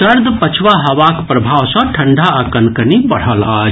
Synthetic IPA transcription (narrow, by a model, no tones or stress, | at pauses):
əɾd̪ʱpət͡ʃʰwaɦəʋakpɾəbʱawsə̃ʈʰəɳɖʱaəkənkənibəɽ̤əla